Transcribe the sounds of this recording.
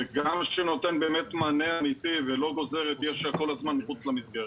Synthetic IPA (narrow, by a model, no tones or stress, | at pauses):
eɡamʃeno̞t̪e̞nbeːmet̪maneamit̪ivelo̞ɡo̞ze̞ʁet̪jeʃako̞lazmanmiχut͡slamisɡeʁet